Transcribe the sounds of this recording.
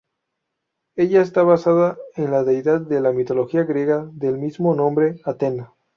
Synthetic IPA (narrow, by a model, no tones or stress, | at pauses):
e̞ʝaest̪aβasaðaenlaðe̞jðaðːe̞lamit̪o̞lo̞xiaɣɾje̞ɣaðe̞lmizmo̞nõ̞mbɾeat̪e̞na